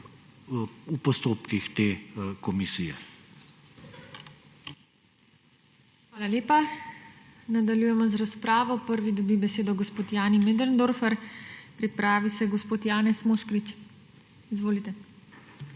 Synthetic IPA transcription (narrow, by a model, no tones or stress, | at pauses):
upɔst̪oːpkixt̪eːkɔmisijɛ | xʋaːlaleːpa | nad̪aljuːjɛmɔzɾaspɾaːʋɔpəɾʋid̪ɔbibɛseːd̪ɔɡospoːt̪jaːnimed̪əɾnd̪oɾfɛɾpɾipɾaːʋisɛɡɔspoːt̪jaːnɛsmoʃkɾit͡ʃ | izʋoːlit̪ɛ